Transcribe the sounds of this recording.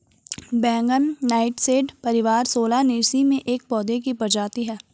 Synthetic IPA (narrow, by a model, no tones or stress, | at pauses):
bɛ̃ːŋɡənnaːɪʈseːɖpɐɾɪʋaːɾsoːlanɪːsimẽʔeːk̚pɔːd̪ekibɐɾd͡ʒaːt̪iɦɛː